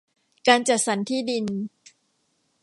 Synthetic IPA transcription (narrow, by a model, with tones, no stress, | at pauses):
kaː˧nt͡ɕa˨˩t̪̚sa˩˦nt̪ʰiː˥˩di˧n